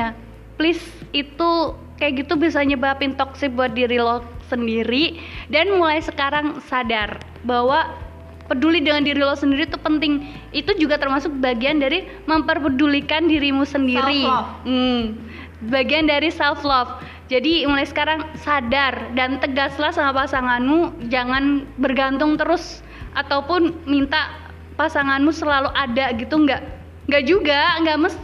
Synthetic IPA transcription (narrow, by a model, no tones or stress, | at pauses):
a | plɪs | it̪u | kajaʔɡit̪ubiasaɲabapɪnt̪ɔk̚sɪk̚buat̪̚diɾilɔsəndiɾidanmulajsəkaɾaŋsadar | bawa | pədulidəŋandiɾilɔfsəndiɾit̪upənt̪ɪŋ | it̪ud͡ʒuɡat̪ərmasʊk̚baɡiandaɾi | məmpərpədulikandiɾimusəndiɾi | baɡiandaɾisɛlflɔf | d͡ʒadimulajsə̥kaɾaŋsadardant̪əɡaslahsamapasaŋanmud͡ʒaŋanbərɡant̪ʊŋt̪əɾʊs | ʔat̪awpʊnmint̪aʔ | pasaŋanmusəlaluʔadaɡit̪uŋɡaʔ | ŋɡaʔd͡ʒuɡaŋɡaʔməs